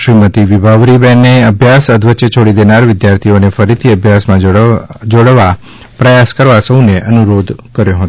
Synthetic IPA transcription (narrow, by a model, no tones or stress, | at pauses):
ʃɾimət̪iʋɪbʱaʋɾibɛ̃nːeəbʱjasəd̪ʱʋət͡ʃet͡ʃʰoɽid̪enaɾʋɪd̪jaɾt̪ʰionefəɾit̪ʰiəbʱjasmãd͡ʒoɽʋa | pɾəjaskəɾʋasəũneʔənuɾod̪ʱkəɾjõɦət̪oo